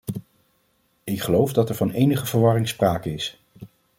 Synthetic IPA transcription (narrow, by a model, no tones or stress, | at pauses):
ɪkχəlowfdɑtɛɹvɑnejnəχəvəɹʋɑrɪŋspraːkəɪs